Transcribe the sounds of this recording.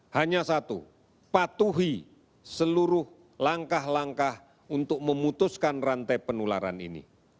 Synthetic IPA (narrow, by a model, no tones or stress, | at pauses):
haɲasat̪ṵ | pat̪uɦi | səluɾʊh | laŋkahlaŋkah | unt̪ʊk̚məmut̪ʊskanrant̪ɛpənula̰ɾa̰nḭnḭ